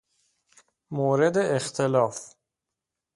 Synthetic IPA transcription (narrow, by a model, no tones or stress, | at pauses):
moːɾed̪eːxt̪ʰelɒːf